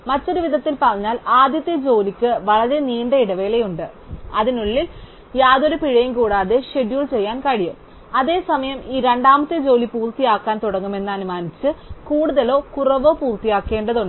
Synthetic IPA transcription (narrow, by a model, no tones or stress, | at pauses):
mɐtːo̞ɾuʋiðʱɐt̪ːilpɐrɐɲːaːlaːd̪jɐt̪ːjɐd͡ʑo̞ːlikʲːɨʋɐɭɐɾe̞niːɳɖeiɽɐʋeːle̞juɳɖɨ | ɐðinuɭːil | jaːðo̞ɾupiɻɐjɐmkuːɽaːðe̞ɕe̞ɖjuːɭt͡ɕe̞jːaːnkɐɻijum | ɐðe̞ːsɐmɐjɐmiːɾeɳɖaːmɐt̪ːɨd͡ʑo̞ːlipuːrt̪ijaːkːaːnt̪uɽɐŋːume̞nːɐnumaːnit͡ɕːɨkuːɽuðɐlo̞ːkurɐʋo̞ːpuːrt̪ijaːkːe̞ːɳɖɐðoɳɖ